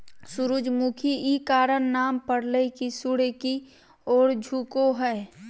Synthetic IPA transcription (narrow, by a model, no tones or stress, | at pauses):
sʊɾʊd͡ʒmukʰiikaːɾənnaːmpəɽlekisʊɽeki | ɔːɾd͡ʒʱuːkoɦɛː